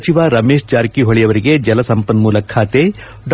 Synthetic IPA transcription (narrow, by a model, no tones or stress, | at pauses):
t͡ʃiʋaɾɐmeːʂt͡ʃaːɾikiɦoɭijɐʋɐɾiɡed͡ʒɐlɐsɐmpɐnmuːlɐkʰːaːt̪e | ɖ